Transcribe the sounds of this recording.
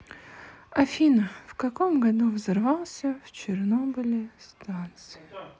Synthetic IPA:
ɐfʲinəfkɐkomɡɐd̪uvzɨrvɑlˠsʲəft͡ɕɪrnobɨlʲɪst̪ant̪sɨjɪ

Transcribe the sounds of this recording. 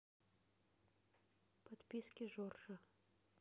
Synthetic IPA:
pɐt̪pʲiskʲɪʒorʒə

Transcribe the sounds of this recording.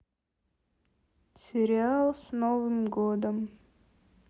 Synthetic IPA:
sʲɪɾʲɪalˠsnovɨmɡod̪əm

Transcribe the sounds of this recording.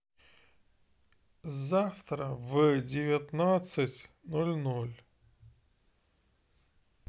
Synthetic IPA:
zaft̪ɾəvɨdʲɪvʲɪt̪nat̪sɨtʲnolʲnolʲ

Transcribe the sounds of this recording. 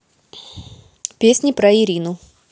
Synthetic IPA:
pʲesʲnʲɪpɾɐɪɾʲinʊ

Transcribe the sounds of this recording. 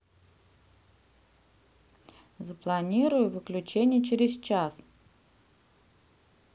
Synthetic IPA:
zəplˠɐnʲiɾʊjʊvɨklʲʉt͡ɕenʲɪjət͡ɕɪɾʲɪst͡ɕas

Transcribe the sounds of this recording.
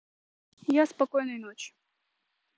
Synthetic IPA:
jaspɐkojnɨjnot͡ɕjʊ̥

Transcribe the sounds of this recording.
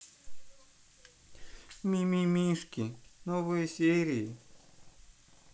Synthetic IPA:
mʲimʲimʲiʂkʲinovɨjəsʲeɾʲɪjɪ

